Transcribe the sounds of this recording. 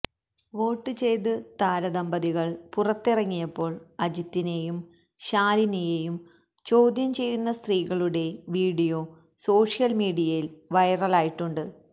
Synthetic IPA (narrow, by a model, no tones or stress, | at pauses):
ʋo̞ːʈːɨt͡ɕe̞jt̪̬ɨt̪aːɾɐd̪ɐmbɐðiɣɐɭpurɐt̪ːirɐŋːijɐpːo̞ːɭɐd͡ʑit̪ːine̞jum | ɕaːlinejeːjum | t͡ɕo̞ːd̪ʱjɐmt͡ɕe̞jːunːɐst̪riːɣɐɭuɽe̞ʋiːɽijo̞ː | so̞ːʂijɐlmiːɽijɐjilʋɐjrɐlaːjiʈːuɳɖɨ